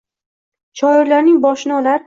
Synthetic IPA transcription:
ʃɒɪɾlaɾnɪŋbɒʃnɒlaɾ

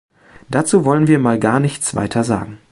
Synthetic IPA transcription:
d̥aːt͡suːvɔlənviːɐmaːlɡaːɐnɪçt͡sv̥a̰ɪtʰɐza̰ːɡŋ̩

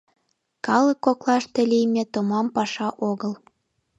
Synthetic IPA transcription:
kɑləkːoklɑʃt̪ĕlijmʲĕt̪omɑmpɑʃɑʔoɣəl

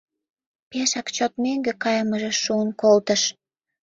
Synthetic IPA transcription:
peʃɑkt͡ɕot̪meŋɡĕkɑjɑməʒĕʃuənkolt̪əʃ

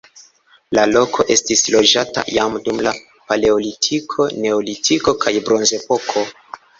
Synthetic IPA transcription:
lalokʰo̞ʔe̞stislo̞d͡ʒata̰jamdumla | pale̞olitʰikʰo̞ne̞olitʰiko̞kʰajbɾo̞nze̞po̞kʰo̞

